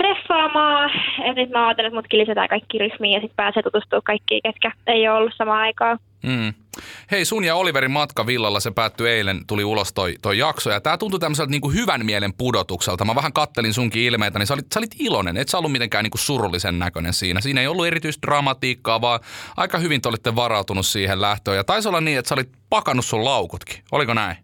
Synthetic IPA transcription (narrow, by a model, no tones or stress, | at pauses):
t̪refːɑːmɑːet̪nyt̪mæɑːt̪ːelːt̪mut̪kilisæt̪æ̰jkɑikːiːryhmiːjɑsit̪̚pæːseːt̪ut̪ust̪uːkkɑikːḭːket̪kæeioolːussɑmɑːɑikɑː | m̩ːheisunjɑoliʋeɾimɑt̪kɑʋilːɑlːɑsepæːt̪ːyeilent̪uliulost̪oit̪oijɑksojɑt̪æːt̪unt̪ut̪æmːəselt̪niːŋkuhyʋæmmielempudot̪ukselt̪ɑmɑʋæhæŋkɑt̪ːelinsuŋkiilmeit̪ænisolit̪solit̪ilonḛneit̪sæolːumit̪eŋkæːniːŋkussurulːisennækønḛnsiːnæsiːneiolːuerit̪yist̪̚drɑmɑt̪iːkːɑːʋɑːʔɑ̰ikɑhyʋint̪eolit̪ːeʋɑrɑut̪unussiːhellæht̪øːjɑt̪ɑisolːɑnniːet̪sæolit̪̚pɑkɑnussullɑukut̪ki̥o̰likonæi